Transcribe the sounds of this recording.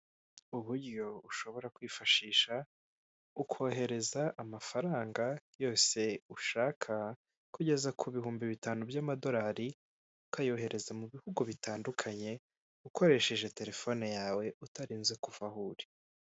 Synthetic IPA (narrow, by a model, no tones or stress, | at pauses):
uβuɾjo̞uʃo̞βo̞ɾakwiːfaʃiːʃa | ukʰo̞ːɦe̞ɾe̞zaʔːmafaɾaːŋɡajo̞ːse̞uʃaːkʰa | kuɟe̞zakʰuβihuːmbiβitaːnubjamado̞ɾaːɾi | ukajo̞ːɦe̞ɾʔe̞zamuβihuɡuβitaːndukʰaɲe̞ | ukʰo̞ɾe̞ʃe̞ʒe̞te̞ɾe̞fo̞nejaːwe̞utaɾiːnzekuvahuːɾe̥